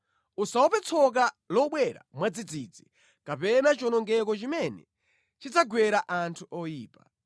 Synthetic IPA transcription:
usaɔpɛt͡sʰɔk̬a | lɔɓwɛɾa̰mwad͡zid͡zid͡zi | kapɛnat͡ʃɔnɔŋɡɛkɔt͡ʃimɛnɛ̰ | t͡ʃit͡saɡwɛɾaʔantʰuʔɔjiːpa

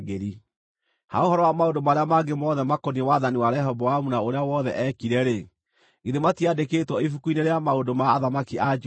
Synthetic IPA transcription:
ɡeɾi | ha̰ohɔɾɔwamaondomaɾeamaɡemɔðɛmakɔniewaðaniwaɾɛɦɔbɔamunaoɾeawɔðɛʔɛkiɾɛɾe | ɡiðematiadekeːtwɔifukuineɾeamaondomaːðamakiʔad͡ʒ

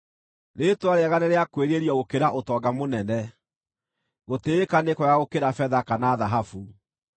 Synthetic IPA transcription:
netwaɾeaɣaneɾeakweɾeɾiɔɣokeɾaʔotɔːɡamonɛnɛ | ɣoteekanekɔjaɣokeɾafɛðakanaːðaɦafu

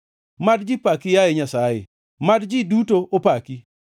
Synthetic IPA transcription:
madd͡ʒipakijajeɲasajḛ | madd͡ʒidutoʔopaki

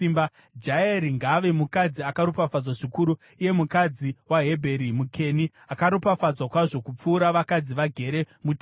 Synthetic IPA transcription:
imba | d͡ʒaeɾiŋɡaːʋe̞mukad͡ziakaɾopafad͡zwaʐikuɾu | uje̞mukad͡ziwaɦe̞bʱeɾimukʰe̞ni | akaɾopafad͡zwakwaʐo̞kup͡fuːɾaʋakad͡ziʋaɡʱe̞ɾe̞ | mut

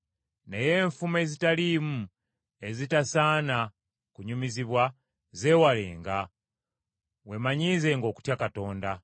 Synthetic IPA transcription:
ne̞je̞ːɱfume̞zitalimu | e̞zitasaːna | kuɲumiziβwa | ze̞ːwalḛːŋɡa | we̞maɲiːze̞ːŋɡo̞ːku̥tjakato̞ːnda

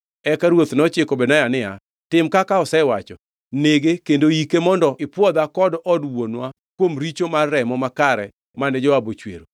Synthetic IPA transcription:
ɛkaɾwot̪nɔt͡ʃɪkɔbɛnajanɪa̰ | tɪmkakaɔsɛwat͡ʃɔ | neɡekendoikemɔndɔʔɪpwɔd̪akɔdɔdwonwa | kwomɾit͡ʃomarːɛmɔmakaɾɛ | manɛd͡ʒɔabot͡ʃwḛɾo

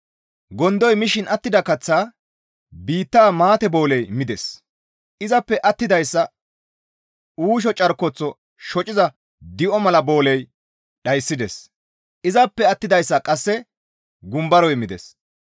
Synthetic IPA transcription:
ɡɔnd̪ɔjmɪʃɪnɐt̪ːɪd̪ɐkɐt͡sːaː | biːt̪ːaːmaːt̪ɛbo̞ːlɛjmɪd̪ɛs | ʔɪzɐpːɛʔɐt̪ːɪd̪ɐjsːɐ | uːʃ̬ɔt͡ʃʼɐɾkɔt͡sːɔ | ʃɔt͡ʃʼɪzɐ | d̪ɪʔɔmɐlɐbo̞ːlɛj | ɗɐjsːɪd̪ɛs | ʔɪzɐpːɛɐt̪ːɪd̪ɐjsːɐkʼɐsːɛ | ɡʊmbɐɾɔjmɪd̪ɛ̰s

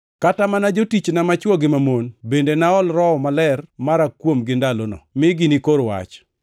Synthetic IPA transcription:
katamanad͡ʒotit͡ʃnamat͡ʃwɔɡɪmamonbendenaɔlɾɔɔmalɛrmaɾakwomɡɪndalonɔ̰mɪɡɪnikoɾwa̰t͡ʃ

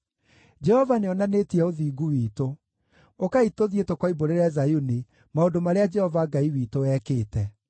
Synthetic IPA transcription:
d͡ʒɛhɔvaneɔnanetiɛoðiːɡuwiːto | okaitoðietɔkwaiboɾeɾeɛzajuni | maondomaɾead͡ʒɛhɔvaɡaiwiːtowɛːkeːtɛ

